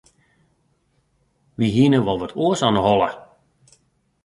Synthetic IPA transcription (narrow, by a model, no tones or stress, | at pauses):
ʋiɦinəʋɔlˠʋətʰuəsɔnəɦɔlˠə̰